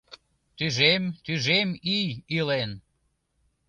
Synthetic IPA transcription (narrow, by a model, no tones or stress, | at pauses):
t̪yʒemt̪yʒemijilen